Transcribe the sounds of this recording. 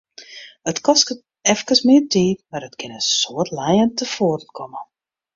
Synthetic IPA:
ətkɔskət | ɛfkəsmɪːtʰiːtmaɾətkɪnənsoːətlɛjəntəfoərlkʰɔmə

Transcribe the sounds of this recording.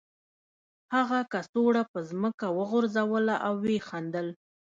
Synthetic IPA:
haɣakasoɽapəzməkawəɣʊɾzawəlaʔawːexand̪əl

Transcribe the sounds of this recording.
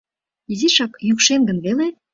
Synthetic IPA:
iziʃɑkjykʃenɡə̆nβele

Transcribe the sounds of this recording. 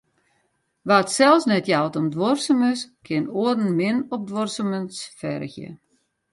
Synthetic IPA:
ʋatsɛlˠsnɛtjawtɔmdʋɔrsəməskʰɪnoədn̩mɪnɔp̚dworsəmənsfɛ̰rxjə̰

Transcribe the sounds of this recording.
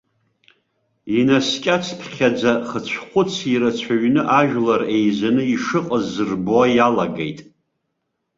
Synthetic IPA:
inaskʲʼat͡sʰtʰχʲad͡zaχət͡ɕʷʰχʷʊt͡sʰiɾat͡ɕʷʰaɥnɨʔaʒᶣlarejzanɨiʂɨqʼəzːɨrboajalaɡḛjtʼ

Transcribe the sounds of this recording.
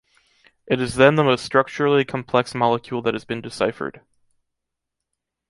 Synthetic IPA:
ʔɨɾɨzðɨ̃nðəmoʊstɹ̥ʌk̚t͡ʃə˞l̩ˠikʰmpʰl̥ɛksmɑlˠəkʰj̥ʉlˠðɨt̚hɨzbɨ̃ndɨsaɪfə̰˞d̥

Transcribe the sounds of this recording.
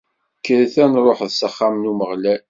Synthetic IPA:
kːəɾθænɾˤoħðsəχːamnuməʁlæ

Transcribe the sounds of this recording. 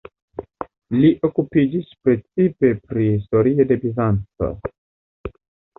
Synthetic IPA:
liʔo̞kupid͡ʒispɾe̞t͡sipe̞pɾihisto̞ɾio̞de̞bizant͡so̞̰

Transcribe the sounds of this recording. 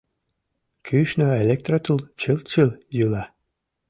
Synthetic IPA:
kʰyʃnɔelʲek̚t̪rat̪ulˠt͡ɕɨlt͡ɕɯlˠjɯlɑ

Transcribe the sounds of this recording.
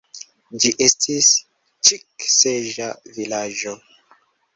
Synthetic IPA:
d͡ʒiʔestʰis | t͡ʃikseʒavilad͡ʒo

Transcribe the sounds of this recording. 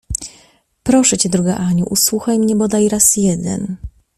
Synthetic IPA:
pɾɔʂɛt͡ɕɛd̪ɾuɡaʔaɲuʔuswuxajmɲɛbɔd̪ajɾasjɛd̪ɛ̰n

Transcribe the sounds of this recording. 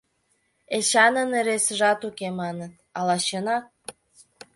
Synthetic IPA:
eɕɑnəneɾesəʒɑt̪ukemɑnət̪̚ɑlɑɕɤnɑ

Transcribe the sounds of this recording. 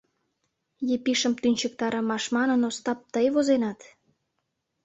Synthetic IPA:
jepiʃəmt̪ynʲt͡ɕək̚t̪ɑɾəmɑʃmɑnənost̪ɑp̚t̪əjβozenɑt̪

